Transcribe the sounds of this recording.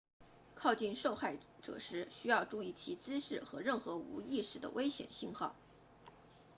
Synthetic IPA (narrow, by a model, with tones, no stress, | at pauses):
kʰɑ˥˧ʊt͡ɕi˥˧nʂo˥˧ʊxa˥˩ɪ | ʈ͡ʂɤ̰˨˩ʂɻ̩˧˥ɕy˥jɑ˥˧ʊʈ͡ʂu˥˧i˥˩t͡ɕʰi˧˥t͡sɹ̩˥ʂɻ̩˥˩xɤ̰˧˥ɻə˥˩nxɤ˧˥ṵ˧˥i˥˧ʂɻ̩˥˩d̪ə̰˩wʔe˥ɪɕjɛ̰˨˩nɕi˥˧nxɑ˥˩ʊ